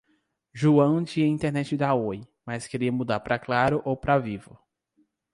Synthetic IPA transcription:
ʒuɐ̃w̃d͡ʒiɐĩnt̪eɾnɛt͡ʃɪd̪aojmaskeɾiɐmud̪aɾpɾɐklaɾʊʔowpɾavivʊ

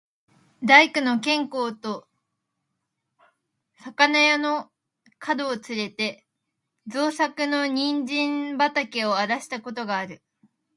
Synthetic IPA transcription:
d̪aikɯ̟no̞kẽ̞ŋko̞ːt̪o̞ | sakanajano̞ | kʰad̪o̞ːt͡sɨɾe̞t̪e̞ | zoːsakɯ̟no̞ɲ̟ĩɲd͡ʑĩmbat̪akeo̞aɾaɕi̥t̪ako̞t̪o̞ɡaːɾɯ̟

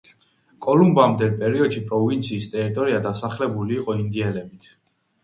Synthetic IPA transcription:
kʼɔlumbamd̪ɛlpʼɛɾiɔd̪ʃipʼɾɔvint̪sʰiːst̪ʼɛɾit̪ʼɔɾiad̪asaχlɛbuliːqʼɔind̪iɛlɛbit̪ʰ

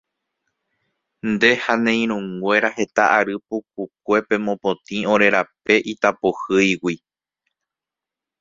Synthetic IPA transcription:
nd̪e̞hanẽ̞j̃ɾũŋɡʷe̞ɾahe̞t̪aʔaɾɨpup̚uk̚ʷe̞pe̞mõpõt̪ĩõ̞ɾe̞ɾape̞ʔit̪apohɨjwi

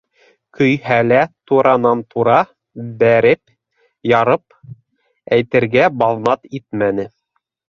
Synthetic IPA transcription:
kʰɵ̆jhælæt̪uɾɑnɑnt̪ʰuɾɑ | bæɾɘp | jɑɾɤp̚ | æjt̪ɘ̆ɾɡæbɑlˠnɑt̪it̪̚mænɘ

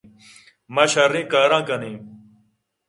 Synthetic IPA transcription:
mɐɕɐɾĩːkaːɾãːkɐnĩː

